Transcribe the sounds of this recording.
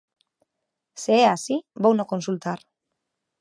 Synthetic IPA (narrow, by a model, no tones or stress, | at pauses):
seːasibownoko̞nsult̪ar